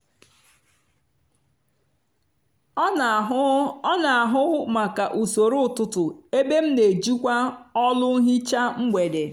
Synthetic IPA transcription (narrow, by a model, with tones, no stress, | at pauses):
na˨a˨ɦʊ˦ma˨ka˨ʔu˨so˨ɾo˦˨tʊ˦tʊ˨e˦be˦m̩˦ne˨d͡ʒu˦kʷa˦ɔ˦lʊ˦ɦi˦t͡ʃa˦ŋ͡m̩˦ɡ͡bʷe˨de˨